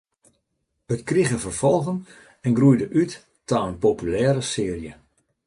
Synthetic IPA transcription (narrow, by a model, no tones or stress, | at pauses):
ətkriɣəvərfɔlˠɣən | ɛnɡrujdəʔytː | aənpopylɛːɾəsɪːərjə